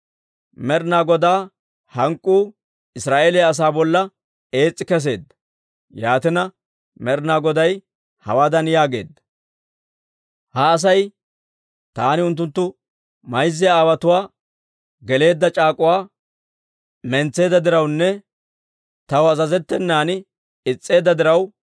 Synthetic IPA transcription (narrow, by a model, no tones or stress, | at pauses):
mɛɾnaːɡɔd̪aː | hɐŋkʼːuː | ɪsɾaːʔeːlɛjɐs̬aːbɔlːɐ | e̞ːt͡sʼːɪkɛs̬e̞ːd̪ːɐ̥ | jaːt̪ɪnɐ | mɛɾnaːɡɔd̪ɐj | hɐ̰waːd̪ɐnjaːɡe̞̰ːd̪ːɐ̥ | hɐːs̬ɐj | t̪aːnɪʊnt̪̬ːʊnt̪ːʊ | mɐjzːɪjaːwɐt̪ʊwaː | ɡɛle̞ːd̪ːɐt͡ʃʼaːkʼʊwaː | mɛnt͡sːe̞ːd̪ːɐd̪ɪɾɐwnːɛ | t̪ɐwɐzɐzɛt̪ːɛnːaːnɪ | ɪt͡sʼːe̞ːd̪ːɐd̪ɪɾɐw